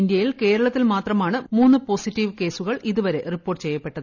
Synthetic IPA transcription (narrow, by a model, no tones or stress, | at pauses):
ind̪jɐjilke̞ːɾɐɭɐt̪ːilmaːt̪rɐmaːɳɨmuːnːɨpo̞ːsitːiʋke̞ːsuɣɐɭiðuʋɐɾe̞ripːoːʈːt͡ɕe̞jːɐpːe̞ʈːɐðɨ